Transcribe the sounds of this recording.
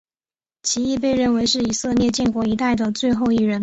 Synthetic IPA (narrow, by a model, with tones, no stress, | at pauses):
t͡ɕʰi˧˥i˥˧p̬e˥˧ɪɻə˥˩nwe˧˥ɪʂɻ̩˥˩i˨˩sɤ˥˧mjɛ˥˧t͡ɕjɛ˥˩nkwɔ˧˥i˧˥t̪a˥˩ɪd̪ə˩t͡swe˥˧ɪxo˥˧ʊi˥˩ɻə˧˥n